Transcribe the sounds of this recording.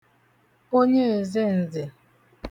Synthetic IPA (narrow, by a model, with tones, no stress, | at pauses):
o˦ɲe˦e˨ze˦n̩˨zɪ˨